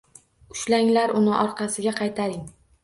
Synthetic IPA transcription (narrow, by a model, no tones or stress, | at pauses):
ʊʃlaŋlaɾʊnɪʔɒɾqɑsɪɡʲaqʰɑjt̪ʰaɾɪŋ